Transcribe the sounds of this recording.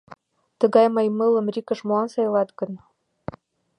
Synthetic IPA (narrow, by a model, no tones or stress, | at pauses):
t̪ə̆ɣɑjmɤjmələ̆mrʲikə̆ʃmoɑnsɑjlɑt̪ɡə̆n